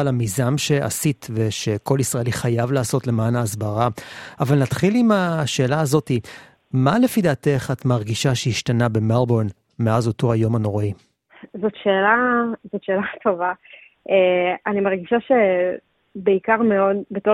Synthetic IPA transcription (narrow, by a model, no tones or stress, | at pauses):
lamizamʃe̞ʔa̰sitve̞ʃe̞ko̞lisʁae̞liχajavlaːso̞tle̞maːnaːzbaʁaavalnatχilimaʃe̞ːlaːzo̞ti | male̞fid̪aːte̞χat̪maʁɡiʃaʃeiʃtanabe̞malbo̞n | meazo̞to̞ajo̞mano̞ʁi | zotʃeːlazotʃeːlatʰo̞va | eanimaʁɡiʃaʃe | beikaʁmeo̞dbeto